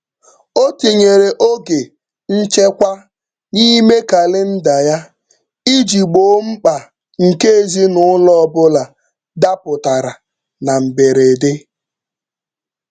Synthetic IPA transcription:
o˦ti˨ɲe˨ɾe˨ʔo˦ɡe˨ | n̩˦t͡ʃe˦kʷa˦ | ni˦me˦ka˨lɪ˦n̩˦da˨ja˦ | i˦d͡ʒi˨ɡ͡bo˦m̩˦k͡pa˨ | ŋ̩˨ke˦e˦zi˦nʊ˨˦lɔ˦bʊ˦la˨ | da˦pʊ˨ta˨ɾa˨ | na˨m̩˨be˨ɾe˨de˦

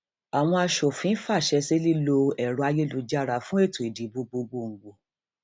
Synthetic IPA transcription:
a˨w̃ɔ̃˧a˧ʃo˨fĩ˨˦fa˦˨ʃɛ˧se˦li˦lo˧ɛ˨ɾɔ˨˦a˧je˦lu˧˦d͡ʒa˦˨ɾa˧˨fũ˦e˦˨to˨i˨di˨˦bo˧ɡ͡bo˧ɡ͡bo˧˨ŋ̩˨ɡ͡bo˨

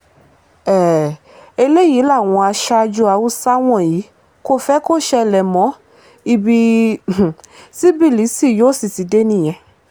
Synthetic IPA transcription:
ɛ˨ | e˧le˦ji˨˦la˦˨w̃ɔ̃˧a˧ʃa˧d͡ʒu˧˦a˧wu˦sa˦w̃ɔ̃˦˨ji˨˦ | ko˦fɛ˦ko˦˨ʃɛ˧lɛ˨mɔ̃˨˦ | i˧bi˧˨ | si˦bi˦˨li˨˦si˦˨jo˦˨si˨ti˨˦de˦nĩ˦˨j̃ɛ̃˧

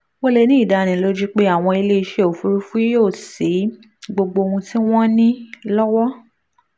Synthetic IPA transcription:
wo˦le˧nĩ˦i˦˨da˧˨ɾ̃ĩ˨lo˦d͡ʒi˦k͡pe˦a˦˨w̃ɔ̃˧i˧le˦i˧ʃe˨o˨fu˧˦ɾu˦fu˦i˦jo˦˨se˨˦ | ɡ͡bo˧ɡ͡bo˧o˧ũ˧ti˦w̃ɔ̃˦nĩ˦lɔ˦wɔ˦

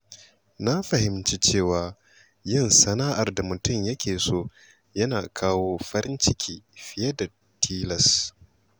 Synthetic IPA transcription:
na˦ɸɐ˨hɪ˨mt͡ʃi˦t͡ʃeː˦˨waː˨ | jɪ˦˨nsɐ˦naː˦ʔa˨rda˨mʊ˨tʊ˦mjɐ˦kʲeː˨soː˦˨ | jɐ˦naː˨kʰaː˦woː˦ɸɐ˦ɾɪ˦nt͡ʃɪ˦kʲiː˦ɸɪ˦jɐ˦da˨ | tʰiː˦lɐ˨s

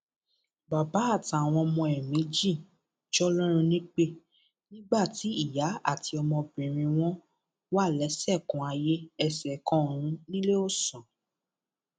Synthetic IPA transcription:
ba˨ba˨˦a˦˨ta˨w̃ɔ̃˧mɔ̃˧ɛ˨mĩ˨˦d͡ʒĩ˦˨ | d͡ʒɔ˦lɔ˦ɾ̃ũ˧nĩ˦k͡pe˦˨ | nĩ˦ɡ͡ba˦˨ti˨˦i˦˨ja˨˦a̰˦˨ti˧ɔ˧mɔ̃˧bĩ˨ɾ̃ĩ˧w̃ɔ̃˦ | wa˦˨lɛ˨˦sɛ˦˨kũ˨˦a˧je˦ɛ˦˨sɛ˨kɔ̃˦˨ɾ̃ũ˨˦nĩ˦le˦o˦˨sɔ̃˨

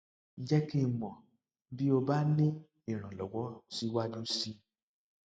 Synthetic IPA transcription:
n̩˦d͡ʒɛ˦ki˦mɔ̃˨ | bi˦o˧ba˦nĩ˦ | i˦˨ɾ̃ã˨lɔ˨wɔ˨˦si˦wa˦d͡ʒu˦si˧

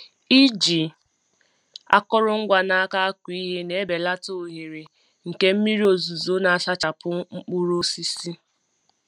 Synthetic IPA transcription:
i˦d͡ʒi˨ | a̰˦kɔ˦ɾʊ˦ŋ̩˦ɡʷa˨na˦ka˦a˦kʷi˨˦i˦ɦe˦ne˨˦be˨la˦to˨o˨ɦe˨ɾe˨ | ŋ̩˨ke˦m̩˦mi˦ɾi˦o˨zu˨zo˦na˨a˨sa˦t͡ʃa˨pʊ˦ŋ͡m̩˦k͡pu˦ɾo˦si˦si˦

